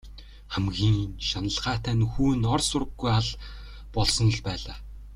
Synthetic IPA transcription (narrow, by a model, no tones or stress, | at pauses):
χæmɡʲiːŋʃanə̆ɮʁaːt̪ʰæːnxuːnɔrsʊɾə̆ɡːujaɮ | pɔɮsɞ̆n̆ɮpæːɮaː